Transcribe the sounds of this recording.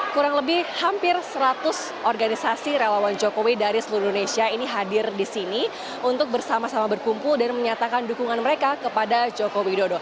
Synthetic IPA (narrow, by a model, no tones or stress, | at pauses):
kuɾaŋləbɪhhampɪrsəɾat̪ʊs | ʔɔrɡanisasiɾelawand͡ʒokowidaɾisəluɾindonesiainiɦadɪrdisini | unt̪ʊk̚bərsamasamabərkumpʊldanməɲat̪akandukuŋanməɾekakəpadad͡ʒokowidodo